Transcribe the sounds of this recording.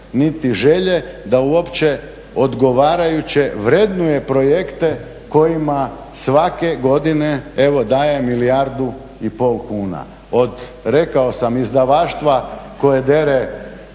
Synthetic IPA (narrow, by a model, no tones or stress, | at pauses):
nit̪iʒe̞ʎe̞d̪auo̞pt͡ɕe̞ | o̞d̪ɡo̞ʋaːɾajut͡ɕe̞ʋɾed̪nuje̞pɾo̞je̞kt̪e̞ | ko̞jima | sʋake̞ɡo̞d̪ine̞eʋo̞d̪aːje̞milijaɾd̪u | ipo̞ːlˠkuːna̰ | o̞d̪ | ɾekao̞samizd̪aʋaːʃt̪ʋako̞jed̪e̞ɾe